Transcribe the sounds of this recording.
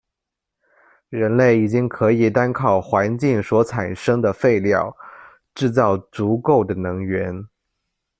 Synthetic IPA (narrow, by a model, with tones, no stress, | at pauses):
ɻə˧˥nle˥˩ɪi˨˩t͡ɕi˥ŋkʰɤ˧˥i˨˩t̪a˥nkʰɑ˥˩ʊxwa˧˥nt͡ɕi˥˩ŋswɔ˧˥t͡sʰa˨˩nʂɤ˥ŋd̪ə˨fe˥˧ɪljɑ˥˧ʊ | ʈ͡ʂɻ̩˥˧t͡sɑ˥˩ʊt͡su˧˥ko˥˩ʊd̪ə˩nɤ˧˥ŋɥɛ˧˥n